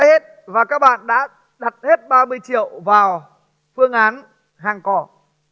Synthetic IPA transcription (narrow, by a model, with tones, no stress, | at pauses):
jhe˦˥t̚ | vaː˨˩kaː˦˥k̚ɓa̰ː˧˨nɗa̰ː˧˥ | ɗa˨˩t̚he˦˥t̚ɓaː˧mɨ˧əjt͡ɕḭ˧˨əwvaː˨˩w | fɨ˧əŋʔaː˨˦n | haː˨˩ŋkɔ˨˩